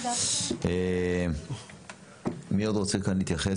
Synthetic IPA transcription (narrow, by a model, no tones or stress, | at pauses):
e | miod̪ʁot͡sekanlit̪jaχe